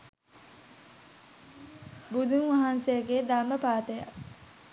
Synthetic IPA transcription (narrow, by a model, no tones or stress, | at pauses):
bud̪ʱuŋʋaɦansejəɡed̪amːəpaːt̪əja̰